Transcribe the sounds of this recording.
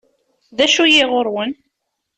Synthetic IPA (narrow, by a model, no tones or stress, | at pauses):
ðæʃujɪʁʊɾwən